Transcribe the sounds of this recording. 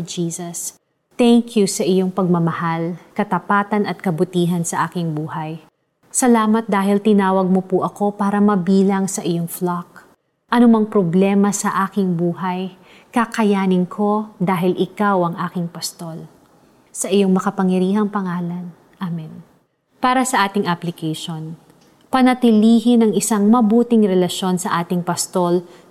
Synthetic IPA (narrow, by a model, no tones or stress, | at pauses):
d͡ʒiːsɐs | t̪ɛŋkjusɐʔɪjo̞ŋpɐɡ̚mɐmɐhalkɐt̪ɐpaːt̪ɐnɐt̪̚kɐbʊt̪iːɦɐnsɐʔaːkɪŋbuːhɐj | sɐlaːmɐt̪̚d̪aːɦɪlt̪ɪnaːwɐɡ̚mopʊʔɐko̞paːɾɐmɐbiːlɐŋsɐʔɪjoŋflak̚ | ʔɐnomɐŋpɾoblɛːmɐsɐʔaːkɪŋbuːɦɐj | kɐkɐjaːnɪnkʰo̞d̪aːɦɪlʔɪkawʔɐŋʔaːkɪŋpɐst̪o̞l | sɐʔɪjo̞ŋmɐkɐpɐŋjɐɾiːɦɐŋpɐŋaːlɐn | ʔamɛn | paːɾɐsɐʔaːt̪ɪŋʔɐplɪkɛjʃon | pɐnɐt̪ɪliːɦɪnɐŋʔɪsaŋmɐbuːt̪ɪŋɾɛlɐʃo̞nsɐʔaːt̪ɪŋpɐst̪o̞l